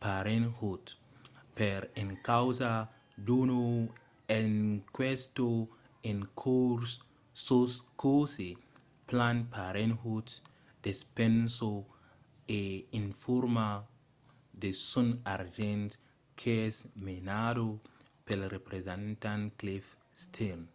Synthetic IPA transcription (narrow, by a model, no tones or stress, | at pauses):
paɾenhut̪ | peɾeŋkawza | duno | enkwest̪o | ẽŋkʰuɾs | soskose | planpaɾenhut̪ | d̪̥espẽnso | einfuɾma | d̪esunaɾd͡ʒẽnt̪ | kʰesmenado | pelrepɾezẽnt̪ãnklif | st̪ʰel